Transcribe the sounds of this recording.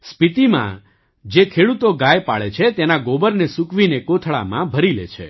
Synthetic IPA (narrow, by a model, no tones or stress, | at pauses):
spit̪imã̰ | d͡ʒekʰeɽut̪oɡajpa̰ɭet͡ʃʰet̪enaɡobəɾnesukʋinekot̪ʰɭa̰mã̰bʱəɾilḛt͡ʃʰḛ